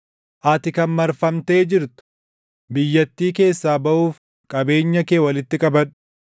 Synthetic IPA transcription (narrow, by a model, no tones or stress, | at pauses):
ʔɐt̪ɪkɐnmɐɾfɐmt̪e̞ːd͡ʒɪɾt̪ʊ̥ | bɪjːɐt̪ːiːke̞ːsːaːbɐʔuːf | kʼɐbe̞ːɲːɐkeːwɐlɪt̪ːɪkʼɐbɐn